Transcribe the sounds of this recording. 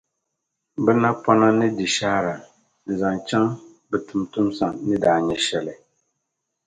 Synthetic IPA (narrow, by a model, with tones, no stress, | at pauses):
bɨ˦na˦pa˦na˦nɨ˦di˨ʃaː˦ɾa˨ | n̩˨za˨ŋt͡ʃa˦ŋ | bɨ˨tu˨mtu˦msa˨ŋnɨ˦daː˨ɲɛ˦ʃɛ˦lɨ˨